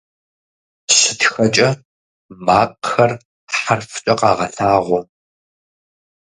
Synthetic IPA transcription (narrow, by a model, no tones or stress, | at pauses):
ɕɪtxɐt͡ʃʼɐ | maːqʼxɐr | ħarft͡ʃʼɐqɑːʁɐɬaːʁʷɔ